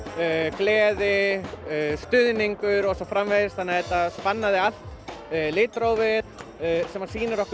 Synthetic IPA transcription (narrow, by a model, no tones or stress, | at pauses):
klɛːðɪ | st̪ʏðniŋkʏɾɔsɔfɾamveðɪsθanːaðɛt̪aspanːaðɪal̥t̪lɪːt̪ɾowvɪðsɛmːḁsiːnɪɾɔhk